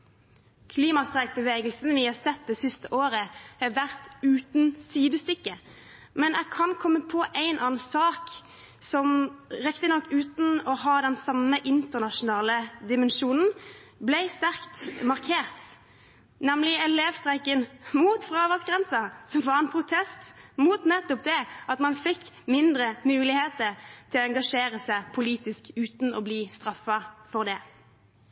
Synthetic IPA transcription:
kʰliːmɑst̪ʁɛɪk̚bəʋeːɡəlsn̩ʋɪhɑːsɛt̪̚d̪ɛːsɪst̪əʔoːɾəhæʋæʁt̪ʉːt̪nsiːd̪əst̪ʏkːə | mɛnʔækʰɑnkʰɔmːəpʰɔʔæɪnʔɑːnsɑːk | sɔmʁɛkt̪ənɔkːʉːt̪n̩ɔɦɑːd̪ɛnsɑməʔɪnt̪əʁnɑʃʊnɑːləd̪ɪmɛnʃuːnn̩blɛɪst̪æʁkt̪mɑʁkʰeːʁt̪ | nɛmlɪɛleːʋst̪ʁɛɪkənmuːt̪fʁɑːʋɑsɡʁɛnsɑsɔmʋɑʁɛnpʰʁʊt̪ʰɛst̪muːt̪nɛt̪ːɔp̚d̪ɛʔɑt̪mɑnfɪkː | mɪnd̪ʁəmʉːlɪheːt̪əʁt̪ʰɪlɛŋɡɑʂeːʁəsæɪpʰʊliːt̪ɪskʉːt̪n̩ɔbliːst̪ʁɑfːɑfɔʁd̪ɛː

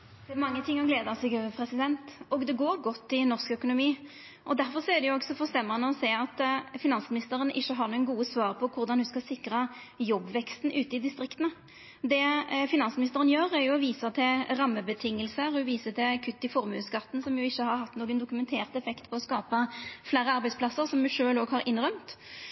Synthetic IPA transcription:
d̪ɛmɑŋːət̪ʰɪŋːɔɡleːd̪ɑsɛːɡpʰɾɛsɪd̪ɛnt̪ɔɡd̪ɛɡoːɾɡɔt̪ːɪnɔʁskœkʊnʊmiː | ʔɔd̪æɾfɔɾsɔɛd̪ɛjʊɔɡsɔfɔʁst̪ɛmːəʁənːəɔsæːɑt̪fɪnɑnsmɪnɪst̪əɾənʔɪçːəɦɑɾnuəɡuːəsʋɑːɾpʰɔkʰʊɾd̪ɑnhʉskɑlsɪkɾəjɔbʋɛkst̪nʔʉːt̪əɪd̪ɪst̪ɾɪkt̪ənə | d̪ɛfɪnɑnsmɪnɪst̪əʁənjøːʁæɾjʊɔʋiːsət̪ʰɪɾɑmːəbət̪ʰɪŋːəlsəʁɔʋiːsət̪ʰɛkʰʉt̪ːɪfɔʁmʉːskɑt̪ːn̩sɔmjʊɪçːəhɑɾɦɑt̪ːnoːɡənd̪ʊkʉmɛnt̪ʰeːʁt̪ɛfɛkt̪pʰɔɔskɑːpəfleːɾəɑɾbæɪspʰlɑsəʁsɔmːʉʂøːloːɡhɑɾɪnʁœmt̪

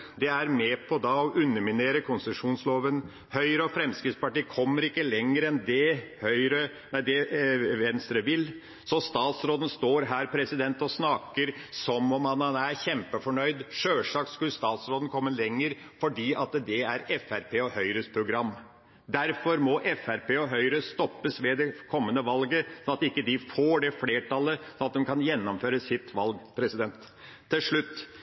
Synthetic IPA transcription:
d̪ɛæɾmɛpʰɔd̪ɑɔʔʉnːəmɪneːɾəkʰʊnsəʂuːnsloːʋən | hœʏɾəɔfɾɛmskɾɪt̪spɑʈiːkʰɔmːəɾɪkːəlɛŋːəɾɛnd̪ɛhœʏɾə | næɪd̪ɛʋɛnst̪ɾəʋɪl | sɔst̪ɑːt̪sɾoːd̪ən̩st̪oːɾɦæːɾpʰɾɛsɪd̪ɛnt̪ɔsnɑːkəɾsɔmɔmhɑnhɑnæɾçɛmpəfɔɳœʏd̪ʂøːʂɑːkskʉlst̪ɑːt̪sɾoːd̪nkʰɔmːəlɛŋːəɾ | fɔɖiːʔɑt̪d̪ɛæɾɛfæɾpʰeːɔhœʏɾəspʰɾʊɡɾɑmː | d̪æɾfɔɾmɔʔɛfæɾpeːɔɦœʏɾəst̪ɔpːəsʋed̪ɛkʰɔmːənəʋɑlɡəsɔnɑt̪ɪkːəd̪ɪfoːɖɛfleːʈʰɑləsɔnɑt̪̚d̪ɛmkʰɑnjɛnːɔmføːɾəsɪt̪ːʋɑlɡpʰɾɛsɪd̪ɛnt̪ʰː | ɪlʂɭʉt̪ː

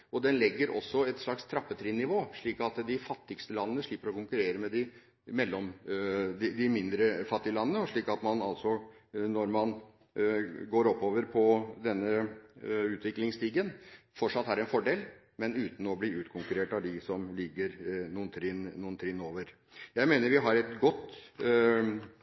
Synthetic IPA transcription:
ɔd̪ɛnlɛɡːəɾʔɔ̰sːɔɛt̪ʂɭɑkst̪ʰɾɑpːət̪ʰɾɪnːɪʋoːʂɭiːkɑt̪d̪ɪfɑt̪ːɪkst̪əlɑnːənəʂɭiːpːəɾɔkʊŋkʉɾeːɾəmɛd̪ɪ | mɛlːɔmd̪ɪd̪ɪmɪnd̪ɾəfɑt̪ːɪəlɑnːənəɔʂɭiːkɑt̪mɑnɑlsɔnɔɾmɑn | ɡoːɾɔpːoːʋəɾpʰɔd̪ɛnːə | ʉːt̪ʰʋɪklɪŋst̪iːɡənfɔʈʂɑt̪ːæɾɛnfɔɖeːl | mɛnʉːt̪n̩ɔbliːʉːt̪kʰʊŋkʉɾeːʈɑʋd̪ɪsɔmlɪɡːəɾnuːənt̪ʰɾɪnnuːənt̪ʰɾɪnːoːʋəɾ | jæɪmeːnəɾʋɪɦɑɾɛt̪ɡɔt̪ː

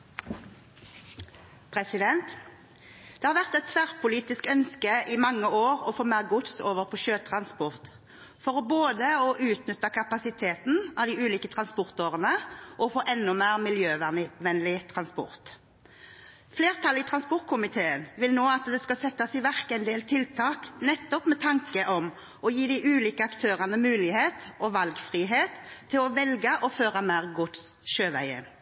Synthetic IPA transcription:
pʰʁɛsɪd̪ɛnt̪ | d̪̥ɛːhɑːʋæʁt̪ɛt̪sʰʋæʁpʊliːt̪ɪskœnskəʔɪmɑŋːəoːʁɔfoːmæːʁɡʊt̪soːʋəʁpʰɔʃøːt̪ʰʁɑnspɔʁt̪ | fɔʁɔboːd̪əɔʔʉːt̪nʏt̪əkʰɑpɑsɪt̪ʰeːt̪n̩ɑʋd̪ɪʉːliːkət̪ʰʁɑnspɔʁt̪oːʁənəʔɔfoːʔɛnːʊmæːʁmɪljøːʋɛnlɪt̪ʰʁɑnspɔ̰ʁt̪ | fleːʁt̪ʰɑlɪt̪ʰʁɑnspɔɾt̪̚kʰʊmɪt̪ʰeːənʋɪlnoːɑt̪d̪ɛskɑsɛt̪ːɑsɪʋæʁkɛɪnd̪eːlt̪ʰɪlt̪ʰɑːknɛt̪ːɔpmɛt̪ʰɑŋkəʔɔm | ɔjiːd̪ɪʔʉːliːkəɑkt̪ʰøːʁɑnəmʉːlɪheːt̪ɔʋɑlɡfʁiːɦeːt̪ʰːɪlɔʋɛlɡəʔɔføːʁəmæːʁɡʊt̪ | ʃøːʋæ̰ɪə̰

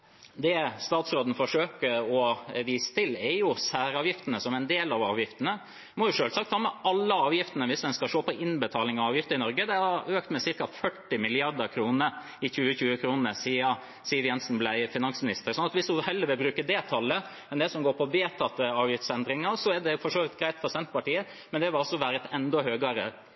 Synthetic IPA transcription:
d̪ɛst̪ɑːt̪sɾoːd̪n̩fɔʂøːkəɔʋiːsə̥t̪ʰɪlɛɾjʊsæːɾɑːʋjɪft̪ənəsɔmæɪnd̪eːlɑʋɑːʋjɪft̪ənə | mɔjʊʂøːlsɑkt̪ʰhɑːmɛʔɑlːəɑːʋjɪft̪ənəʋɪsd̪ɛnskɑʃoːpɔʔɪnbət̪ʰɑːlɪŋɑʋɑːʋjɪft̪əɾɪnɔɾɡəd̪ɛhɑɾøːkt̪mɛsɪɾkɑfœʈːɪmɪlɪɑɾd̪əɾkʰɾuːnə | ɪçʉːəçʉːəkʰɾuːnəɾsiːɑ | siːɑʋjɛnsn̩blæɪfɪnɑnsmɪnɪst̪əɾsɔnɑt̪ʋɪsʊhɛlːəɾʋɪlbɾʉːkəɖ̪ɛt̪ʰɑlːə | mɛnd̪ɛsɔmɡoːɾpʰɔbeːt̪ʰɑt̪ːəɑːʋjɪft̪sɛnd̪ɾɪŋɑɾsɔɛɖ̪ɛfɔʂoːʋɪt̪ɡɾæɪt̪fɔɾsɛnt̪pɑʈiːə | mɛnd̪ɛʋɪlɔsːɔʋæːɾət̪ʰɛnd̪ɔhøːɡɑɾə

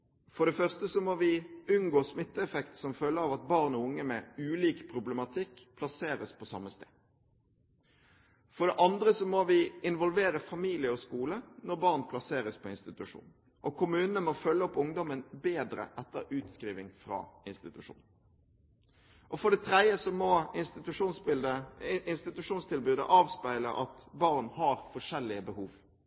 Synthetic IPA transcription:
fɔʁɖ̪ɛfœʁst̪əsɔmoʋɪʉnɡoːsmɪt̪ːəɛfɛkt̪sɔmfœlːəɾɑʋɑt̪̚bɑːʁnɔʊŋːəmɛʉːliːkpʰʁʊblɛmɑt̪ʰɪkːpʰlɑseːɾəspʰɔsɑ̰mːəst̪ḛːd̪ | fɔɖ̪ɛʔɑnd̪ɾəsɔmoʋɪɪnʋɔlʋeːɾəfɑmiːlɪəɔskuːlənɔʁbɑʁnpʰlɑseːʁəspʰɔɪnst̪ɪt̪ʉʂṵːn | ʔɔkʰʊmʉːnənəmɔfœlːəɔpʊŋd̪ɔmənbeːd̪ɾə̰ʔɛt̪ːəʉːt̪skɾiːʋɪŋfɾɑ̰ːɪnst̪ɪt̪ʉʂṵːn | ʔɔfɔɖ̪ɛt̪ʰɾɛd̪jəsɔmɔɪst̪ɪt̪ʉʂuːnsbɪd̪əɪnst̪ɪt̪ʉʂuːnst̪ʰɪlbʉːd̪ə̰ʔɑːʋspæɪlə̰ʔɑt̪bɑʁnhɑɾfɔʂɛlːɪəbəhuːʋ

